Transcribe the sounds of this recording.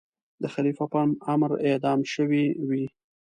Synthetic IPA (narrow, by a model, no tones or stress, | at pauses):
d̪əxalifapanamɾed̪ɑmʃəwiwi